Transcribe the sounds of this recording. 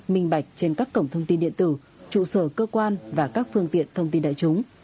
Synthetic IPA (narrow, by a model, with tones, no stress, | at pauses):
mï˧˩ŋ̟ɓa˧˩jk̟̚t͡ɕe˧nkaː˦˥kːə˧˩wŋ͡mt̪ʰə˧wŋ͡mt̪i˧nɗḭ˧˨ənt̪ɨ˧˩ | t͡ɕṵ˧˨səː˧˩kəː˧kwaː˧nvaː˨˩kaː˦˥k̚fɨ˧əŋt̪ḭ˧˨ənt̪ʰə˧wŋ͡mt̪i˧nɗa̰ː˧˨jt͡ɕʊ˨˦ŋ͡m